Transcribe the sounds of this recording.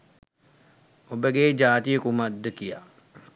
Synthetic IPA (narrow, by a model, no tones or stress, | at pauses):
obeɡeːd͡ʒaːt̪ijəkumɐd̪ːəkija